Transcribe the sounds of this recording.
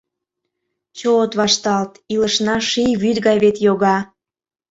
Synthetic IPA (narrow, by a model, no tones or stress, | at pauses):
t͡ɕoot̪βɑʃt̪ɑlt̪iləʃnɑʃijβyd̪ɣɑjβet̪joɣɑ